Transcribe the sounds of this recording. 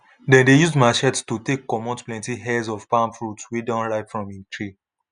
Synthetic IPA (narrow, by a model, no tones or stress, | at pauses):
dɛ̃ndejuzdmaɪʃɛtstutekːɔmɔ̃ntplɛ̃ntiɦɛzɔvpãmfɹutwidãnɹaɪfɹɔ̃mĩntʰɹi